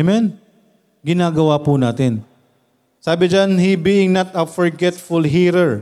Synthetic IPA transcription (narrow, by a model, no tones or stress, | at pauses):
mɛn | ɡɪnaːɡɐwapunaːt̪ɪn | saːbɪd͡ʒanhibiɪ̃ŋnɐt̪ɐfɔɹɡɛt̪fʊlɦiːɾɛɹ